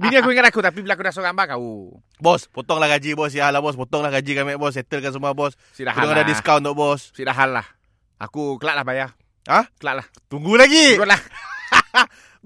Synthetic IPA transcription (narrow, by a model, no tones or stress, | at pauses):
binĩakuiŋat̪akut̪ap̬iblaakudasoɡambakau | bɔspɔt̪ɔŋlahɡad͡ʒibɔs̬sidaɦalahbɔs̬pɔt̪ɔŋlahɡad͡ʒikanmɛʔ̚bɔs̬ɛt̪əlkansəmuabɔs | sidakudɔŋadadiskawnt̪ɔʔbɔssidaɦalːa̰h | a̰kukəlaʔlahbaja | əhkəlaʔlaht̪uŋɡulaɡilah